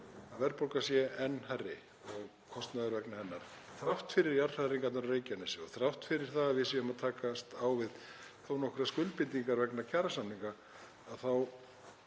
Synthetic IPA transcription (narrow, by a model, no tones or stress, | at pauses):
avɛɾpowlkasjɛɛnːɦarːɪ | ɔɣ | kʰɔst̪naðʏɾvɛknahɛnːaɾ̥θɾaft̪fɪɾɪɾjaɾ̥aɾiŋkat̪ɾreːjcanɪsɛɔθɾaht̪fɪɾɪɾ̥θaðavɪsɛʏmaðt̪ʰaːkast̪awvɪðθownɔhkʏɾaskʏlpɪnt̪iŋkaɾvɛknacʰaːɾasamniŋka | aðθaw